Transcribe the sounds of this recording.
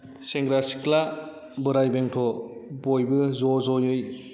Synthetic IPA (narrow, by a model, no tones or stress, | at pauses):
seŋɡɾasi̥kla | bɯɾajbeŋtʰɔbojbɯzɔzɔjɯj